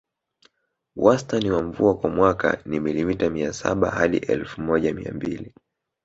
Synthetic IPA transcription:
wʔastaniwaɱvuakwamwaka̰nimilimitamiasa̰ɓahaɗḭʔɛlfumɔʄamḭa̰mbili

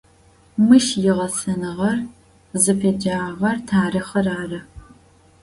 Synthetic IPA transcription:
mɨʃjɪʁɐsɐnɨʁɐr | zɨpʰed͡ʒaːʁɐrtʰaːrɨχɐraːrɐ

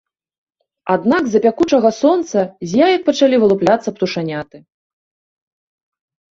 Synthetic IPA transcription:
ad̪naɡzɐpʲakut͡ʂɐɣɐsɔnt̪sɐzʲjajɐk̚pɐt͡ʂalʲivɨlˠuplʲat̪sːɐpt̪uʂanʲat̪ɨ

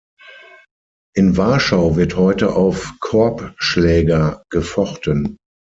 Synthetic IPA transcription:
ʔɪnvaɐʃaʊvɪɐthɔʏtəʔaʊfkʰɔɐpʃlɛːɡɐɡ̥əfɔχtən

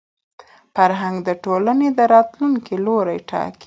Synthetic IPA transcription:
faɾɦaŋɡd̪əʈolaned̪əɾɑt̪luŋkiloɾajʈɑ̰ki̥

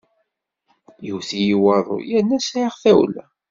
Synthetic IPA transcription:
jiwθijiwɑðˤo̰jæɾnːæsʕiʁθæwlæ̰

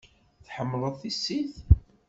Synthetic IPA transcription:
θħəmːləðˤθisːiθ

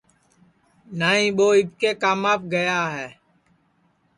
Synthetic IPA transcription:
naːĩːɓoːɪbkeːkaːmaːp̚ɡəjaːɦɛː

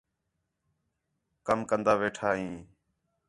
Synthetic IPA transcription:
kəmkənd̪aːʋeːʈʰaːɦĩː

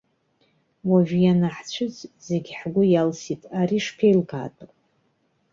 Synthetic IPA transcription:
waʒʷᶣjanaħt͡ɕʷʰʊzze̞ɡʲħɡʷʊjalsitʼaɾiʂpʰejlɡa̰ːtʼ

